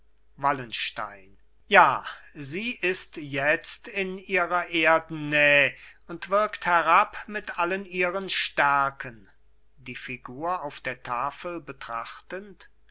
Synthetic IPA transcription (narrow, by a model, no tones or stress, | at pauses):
valənʃta̰ɪn | jaːziːʔɪstjɛt͡stɪniːʁɐʔeːɐdn̩ːɛəʊntv̥ɪɐkthɛʁapmɪtʔaləniːʁənʃtɛɐkʰən | diːfiɡuːɐaʊfd̥eːɐtʰaːfəlbətʁ̥aχtənt